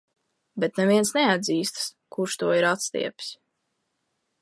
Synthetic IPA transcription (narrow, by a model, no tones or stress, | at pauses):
bet̪neviɛnsnɛad̪ziːst̪s | kuɾʃt̪uɔiɾat̪st̪ḭɛps